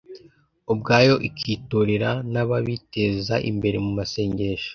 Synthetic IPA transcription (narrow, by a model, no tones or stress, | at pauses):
ob̚ɡaːjo̞ʔikʰiːtoɾeɾanaβaβiteːzaʔḭmbe̞ɾemumase̞ːɲɟe̞ːʃḁ